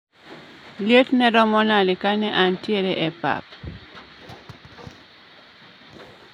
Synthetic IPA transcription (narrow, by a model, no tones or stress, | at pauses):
ljetnɛɾɔmɔnalikanɛʔantjeɾeʔɛpa̰p̚